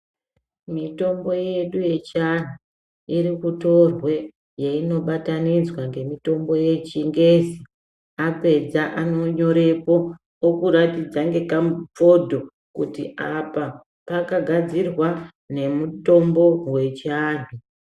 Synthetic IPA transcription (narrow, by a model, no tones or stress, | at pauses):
mito̞mbo̞je̞ɗuje̞t͡ʃan̤u | iɾikuto̞rwe̞ | jeino̞ɓatanid͡zwaŋɡe̞mito̞mbo̞je̞t͡ʃiŋɡe̞zi | ape̞d͡zaʔano̞ɲo̞ɾe̞po̞ | okuɾatid͡zaŋɡe̞kamupo̞dʱo̞ | kutiʔapa | pakaɡʱad͡zirwa | ne̞muto̞mbo̞we̞t͡ʃaːn̤u